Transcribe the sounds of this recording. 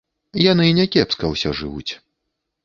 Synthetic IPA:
janɨnʲɛkʲɛpskɐwsʲɔʐɨ̰vṵt͡sʲ

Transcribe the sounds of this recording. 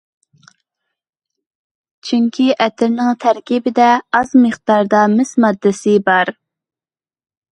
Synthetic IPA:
t͡ʃʰyŋkʲʰiʔɛt̪ʰɪɾnɪŋt̪ʰæɾkʲibɪd̪ɛɑzməχd̪̥ɑɾd̪ɑmɪsmɑd̪ːɪsɪbɑɾ

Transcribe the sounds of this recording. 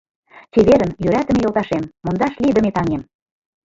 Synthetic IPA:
t̪ʲeβeɾə̆njøɾæt̪ə̆mejolˠt̪ɑʃemːond̪ɑʃlʲid̪ə̆met̪ɑŋem

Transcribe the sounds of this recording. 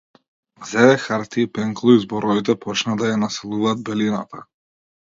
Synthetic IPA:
zɛvɛxaɾt̪iːpɛŋklˠɔizbɔɾɔvit̪ɛpɔt͡ʃnad̪ajanasɛlˠuvaːd̪̚bɛlina̰t̪a

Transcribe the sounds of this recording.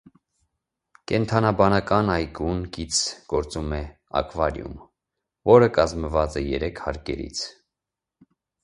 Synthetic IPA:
kɛnt̪ʰɑnɑbɑnɑkɑnɑjɡunkit͡sʰɡ̥ɔɾt͡sumɛ | ɑ̰kvɑɾjṵm | vɔɾəkɑzməvɑt͡sɛjɛɾɛkʰhɑɾkɛ̰ɾḭt͡sʰ

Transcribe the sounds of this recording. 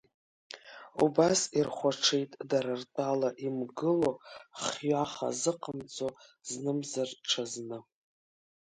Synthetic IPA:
ṵbasirχʷaʈ͡ʂʰejtʼdaɾartʼalaʔimɡɨlo̞χjaχa̰zɨqʼəmd͡zoznɨmzarʈ͡ʂʰaznɨ

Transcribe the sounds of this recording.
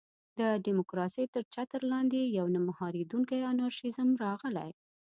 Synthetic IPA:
d̪əɖimʊkɾɑsejt̪əɾt͡ʃat̪əɾlɑnd̪ejawnamahɑɾid̪uŋkajanɑɾʃɪzəmɾɑɣəla̰j

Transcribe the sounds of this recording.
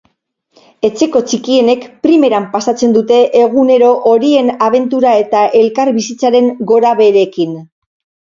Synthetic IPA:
e̞t͡se̞ko̞t͡ʃikie̞ne̞kpɾime̞ɾampasat͡se̞nd̪ut̪e̞ʔeɣ̞une̞ɾo̞ʔoɾie̞naβ̞e̞nt̪uɾae̞t̪aʔe̞lkaɾβisit͡saɾe̞ŋɡo̞ɾaβe̞ɾe̞kin

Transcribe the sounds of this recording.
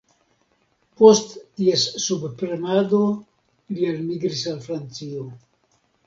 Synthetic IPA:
po̞stːiesːubpɾenado̞ | lialmiɡɾisalfɾant͡sio

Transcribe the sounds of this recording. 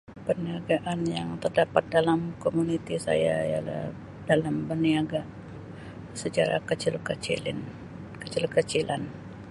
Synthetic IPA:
pəniaɡaʔanjaŋt̪ərdapat̪̚dalamkomunit̪isa̰jaja̰la̰h | dalambəniaɡaʔ | sət͡ʃaɾa̰kət͡ʃɪlkət͡ʃḭlɪ̰n | kət͡ʃɪlkət͡ʃilan

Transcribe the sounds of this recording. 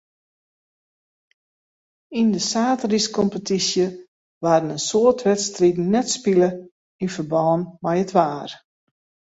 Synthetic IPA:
indəsaːtriskɔmpətisjə | ʋaːdənənsoətʋɛtstridn̩nɛtspilə | infərbɔːnmɛjətʰʋaːr

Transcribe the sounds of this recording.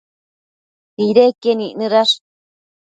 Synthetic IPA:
t̪iɾekenĩnɨ̃ɾaʂ

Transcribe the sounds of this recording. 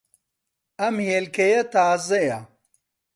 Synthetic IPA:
ɐmheːlkɐjɐt̪aːzɐjɐ

